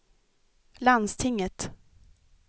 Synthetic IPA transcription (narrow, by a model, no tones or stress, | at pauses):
land̪st̪ʰɪŋːət̪